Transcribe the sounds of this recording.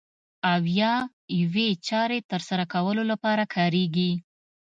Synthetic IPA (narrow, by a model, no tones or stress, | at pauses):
awjɑ | jawet͡ʃɑɾet̪əɾsaɾakawəlolapɑɾakʰɑɾeɡi